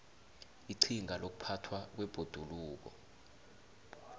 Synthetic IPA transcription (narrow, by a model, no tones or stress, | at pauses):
iǀʰiŋalok̬u̥pʰatʰwak̬wɛb̥ʱod̥ʱuluːk̬ɔ̰